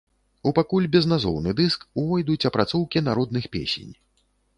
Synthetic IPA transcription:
upakulʲbʲɛznazɔ̰wnɨd̪ɨskuvɔjd̪ut͡sʲɐpɾat̪sɔwkʲinaɾɔd̪̚nɨxpʲḛsʲḛnʲ

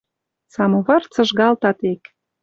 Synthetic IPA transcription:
sɑmoβɑrt͡sɤ̆ʒɣɑlt̪ɑt̪ek

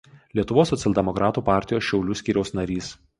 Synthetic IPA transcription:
lʲiɛt̪ʊʋoːsːɔt̪sʲɛlʲd̪ʲɛmɔkɾʔɑːt̪uːpɑːˑɾʲt̪ʲɪjoːsʃʲɛʊlʲʊsʲkʲiːɾʲɛʊsnɐɾʲiːs

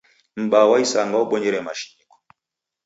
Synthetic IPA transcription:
m̩ɓawaisaŋɡauɓɔɲɛɾɛmaʃi̥ɲikɔ̥

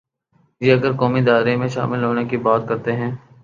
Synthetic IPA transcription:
jiɐɡəɾkɔːmid̪aːɪɾemẽʃa̰ːmɪlɦoːnekibaːt̪kɐɾt̪eɦɛ̃ː

